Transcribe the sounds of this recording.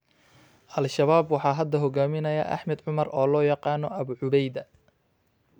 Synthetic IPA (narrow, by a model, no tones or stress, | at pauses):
ʔɐlʃɐβaːbwɑħɑːɦɐd̪ɐɦɔɡaːmɪnɐjɐ̰ʔɐ̰ħmɛd̪ʕʊmɐrʔɔːlɔːjɑqɑːnɔʔɐβʊʕʊβɛjd̪ɐ